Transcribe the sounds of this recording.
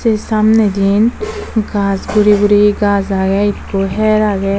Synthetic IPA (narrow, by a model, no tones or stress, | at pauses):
sesamned̪inɡasɡuɾiɡuɾiɡazaɡɛit̪koɦɛɾaɡɛ